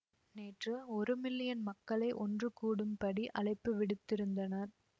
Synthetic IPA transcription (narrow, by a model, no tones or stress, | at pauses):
neːʈrɯɔɾɯmɪlːɪjɐnmɐkːɐɭɐɪʔɔndrɯkuːɽɯmpɐɽiʔɐɭɐɪpːɯʋɪɽɯt̪ːɪɾɯnd̪ɐnɐɾ